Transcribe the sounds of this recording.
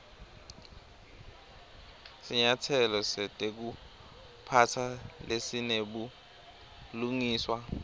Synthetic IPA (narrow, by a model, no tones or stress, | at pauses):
siɲatʰɛlɔsɛtʼek̬u | pʰatʰalesineɓu | luŋiːswa